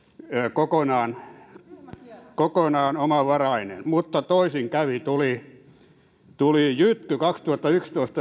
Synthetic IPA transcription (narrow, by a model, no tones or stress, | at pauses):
kokonɑːn | kokonɑːnomɑʋɑrɑinḛnmut̪ːɑt̪oisiŋkæʋit̪uli | t̪ulijyt̪kykɑkst̪uhɑt̪ːɑykst̪oist̪ɑ